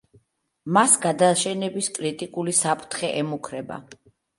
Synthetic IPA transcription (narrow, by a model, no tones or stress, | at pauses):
masɡad̪aʃɛnɛbiskʼɾit̪ʼikʼulisapʰʼɾt̪ʰχɛʔɛmukʰɾɛba̰